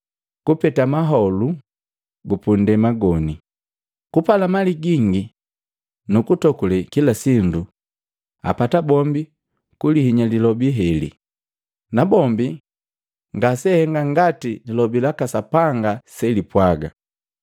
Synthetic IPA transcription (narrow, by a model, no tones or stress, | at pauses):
kupɛtamaɦɔlu | ɡupundɛmaɡɔni | kupalamaliɡiŋɡi | nukutɔkulɛkilasindu | a̰patabɔmbi | kulihiɲalilɔbiɦɛlḭ | nabɔmbi | ŋɡasɛhɛŋɡaŋɡatililɔbilakasapaŋɡasɛlipwaɡa̰